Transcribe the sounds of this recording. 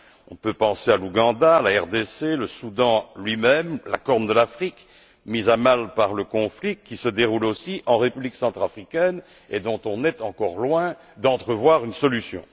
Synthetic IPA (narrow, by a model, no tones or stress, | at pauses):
ɔ̰̃pøpɑ̃sealuɡɑ̃d̪alaɛʁd̪eseləsud̪ɑ̃lɥimɛmla̰kɔʁnd̪əlafχik | mizamalpaʁləkɔ̃flikʲːisəd̪eʁulosiʔɑ̃ʁepybliksɑ̃t̪χafχikʲɛn | ed̪ɔ̃t̪ɔ̃nɛt̪ɑ̃kɔʁlwɛ̃ | d̪ɑ̃t̪χəvwaʁynsɔlysjɔ̰̃